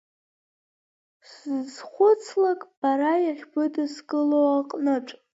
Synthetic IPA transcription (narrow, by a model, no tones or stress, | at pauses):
sɨzχʷʊt͡sʰlakʼb̥aɾajaχʲbɨdɨskʼɨlowaqʼnɨʈ͡ʂʼ